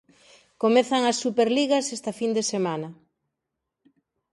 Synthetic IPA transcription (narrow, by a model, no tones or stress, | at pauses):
komeθɐŋɐsːupeɾliɣɐsest̪ɐfind̪esemanɐ